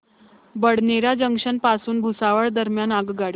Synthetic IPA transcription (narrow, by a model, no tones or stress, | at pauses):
bəɽneɾad͡ʑəŋkʂənpasuːnbʱusaʋəɭd̪əɾmjanaɡɡaɽi